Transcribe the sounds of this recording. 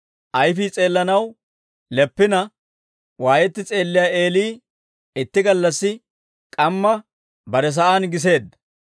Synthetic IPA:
ʔɐjfiːt͡sʼe̞ːlːɐnɐw | lɛpːɪnɐ | waːjɛt̪ːɪt͡sʼe̞ːlːɪjaʔe̞ːliː | ɪt̪ːɪɡɐlːɐsːɪ | kʼɐmːɐ | bɐɾɛs̬ɐʔaːnɡɪs̬e̞ːd̪ːɐ

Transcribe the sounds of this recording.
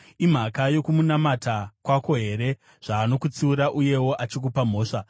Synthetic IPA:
im̤akajo̞kumunamatakwako̞ɦe̞ɾe̞ | ʐ̥aːno̞kut͡siuɾaʔuje̞wo̞ʔat͡ʃik̬upam̤o̞ːʂa

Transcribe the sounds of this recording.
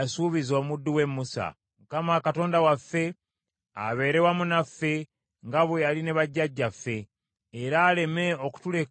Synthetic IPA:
asuβizo̞ːmudːuwe̞mːusa̰ | mukamaːkato̞ːndawafːe̞ | a̰βe̞ːɾe̞wamunafːe̞ | ŋɡaβwealine̞βaɟːaɟːafːe̞ː | ɾaːle̞me̞o̞ku̥tule̞

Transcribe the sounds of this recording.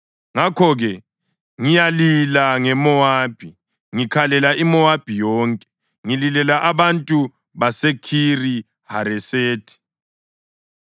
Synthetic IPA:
ŋakʰɔɣɛ | ŋijalilaŋɛmɔaːb̥ʱi | ŋikʰalɛlaimɔab̥ʱijɔːŋkʼɛ̥ | ŋililɛlaʔaβantʼu | βasekʰiri | haɾɛseːtʰi̥

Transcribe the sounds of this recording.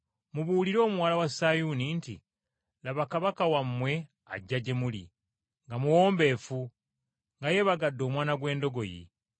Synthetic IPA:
muβuːliɾo̞ːmuwaːlawasajunintḭ | laβakaβakawamːwe̞ | a̰ɟːaɟe̞mulḭ | ŋɡamuwo̞ːmbe̞ːfu | ŋɡaje̞βaɡadːo̞ːmwaːnaɡwe̞ːndo̞ɡo̞jḭ

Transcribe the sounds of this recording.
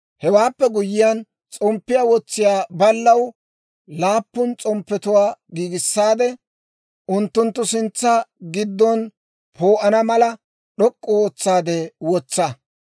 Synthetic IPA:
hɛwaːpːɛɡʊjɪjɐn | t͡sʼɔmpːɪjawɔt͡sːɪjaːbɐlːɐw | laːpːʊnt͡sʼɔmpːɛt̪ʊwaːɡiːɡɪsːaːd̪ɛ | ʔʊnt̪ːʊnt̪ːʊsɪnt͡sːɐɡɪd̪ːɔn | pʰoːʔɐnɐmɐlɐ | ɗɔkʼːɔɔːt͡sːaːd̪ɛwɔt͡sːɐ

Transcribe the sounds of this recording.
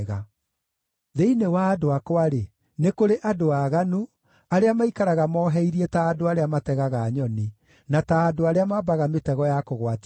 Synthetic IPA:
ɣa | ðeinewaːdoakwaɾe | nekoɾeʔadoaɣanu | aɾeamaikaɾaɣamɔːɦɛiɾiɛtaːdoaɾeamatɛɣaɣaːɲɔni | nataːdoaɾeamabaɣametɛɣɔjakoɣwat

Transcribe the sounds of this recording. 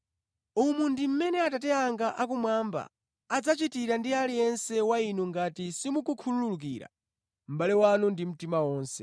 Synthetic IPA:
umundim̩mɛnɛatatɛaŋɡaʔak̬umwamba̰ | ad͡zat͡ʃitiɾandialijɛnsɛwainuŋɡatisimukukʰulululuk̬ḭːɾa̰ | m̩balɛwanundim̩timawɔːnsɛ

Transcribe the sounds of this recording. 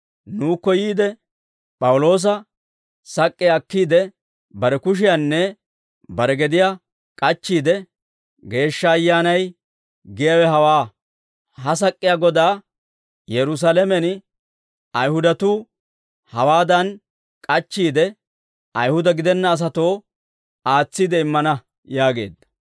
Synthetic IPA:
nuːkːɔjiːd̪ɛ | pʼɐwʊlo̞ːs̬ɐ | sɐkʼːɪjaːkːiːd̪ɛ | bɐɾɛkʊʃ̬ɪjanːɛ | bɐɾɛɡɛd̪ɪja | kʼɐt͡ʃːiːd̪ɛ | ɡe̞ːʃːɐːjːaːnɐj | ɡɪjawɛɦɐwaː | ɦɐs̬ɐkʼːɪjaɡɔd̪aː | jɛɾʊs̬alɛmɛn | ɐjhʊd̪ɐt̪u | hɐwaːd̪ɐn | kʼɐt͡ʃːiːd̪ɛ | ɐjhʊd̪ɐɡɪd̪ɛnːɐːs̬ɐt̪o̞ː | aːt͡sːiːd̪ɛɪmːɐnɐ | jaːɡe̞̰ːd̪ːɐ̥

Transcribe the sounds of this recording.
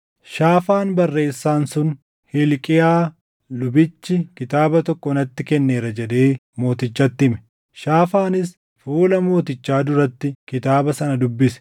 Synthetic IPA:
ʃaːfaːnbɐrːe̞ːsːaːnsʊn | hɪlkʼɪjaː | lʊbɪt͡ʃːɪkɪt̪aːbɐt̪ɔkːɔnɐt̪ːɪkɛnːe̞ːɾɐd͡ʒɛd̪e̞ːmo̞ːt̪ɪt͡ʃːɐt̪ːɪɪmɛ̥ | ʃaːfaːnɪs | fuːlɐmo̞ːt̪ɪt͡ʃːaːd̪ʊɾɐt̪ːɪkɪt̪aːbɐsɐnɐd̪ʊbːɪsɛ̥

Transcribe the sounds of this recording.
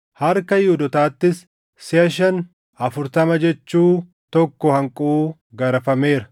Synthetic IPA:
hɐɾkɐjɪhud̪ɔt̪aːt̪ːɪs | sɪɐʃ̬ɐn | ɐfʊɾt̪ɐmɐd͡ʒɛt͡ʃːuː | t̪ɔkːɔhɐŋkʼuː | ɡɐɾɐfɐme̞ːɾɐ̥

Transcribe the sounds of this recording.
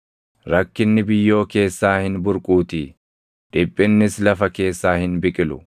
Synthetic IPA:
ɾɐkːɪnːɪbɪjːo̞ːke̞ːsːaːhɪnbʊɾkʼuːt̪iː | ᶑɪpʼːɪnːɪslɐfɐke̞ːsːaːhɪnbɪkʼɪlʊ̰

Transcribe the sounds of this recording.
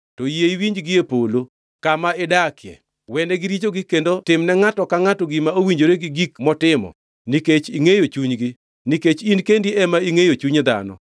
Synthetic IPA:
tɔjeiwiɲd͡ʒɡɪepolo | kamaedakɪjɛ̰ | wɛndɛɡɪɾit͡ʃoɡɪkendotɪmnɛŋatɔkaŋatɔɡɪmaowiɲd͡ʒoɾeɡɪɡikmɔtɪmɔ̰ | niket͡ʃiŋejot͡ʃuɲɡɪ | niket͡ʃinkendiʔɛmaiŋejot͡ʃuɲd̪a̰nɔ̰

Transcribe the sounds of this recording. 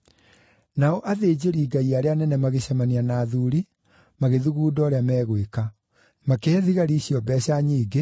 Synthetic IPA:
naɔʔaðeːd͡ʑeɾiːɡaiaɾeanɛnɛmaɣeɕamanianaðuɾi | maɣeðuɣuːdɔɾeamɛːɣweka | makeɛðiɣaɾiɕjɔbɛɕaɲiːɡe

